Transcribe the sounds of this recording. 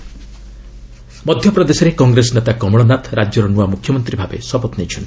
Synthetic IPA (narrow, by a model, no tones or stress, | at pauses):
mɔd̪ʱjɔpɾɔd̪esɔɾekɔŋɡɾesɔnet̪akɔmɔɽɔnat̪ɾad͡ʒjɔɾɔnuamukʰjɔmɔnt̪ɾibʱabḛsɔpɔt̪nejt͡ʃʰɔn